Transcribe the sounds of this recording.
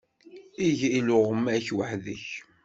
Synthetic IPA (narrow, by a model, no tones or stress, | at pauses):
iʝilʊʁəmːæçwəħðəç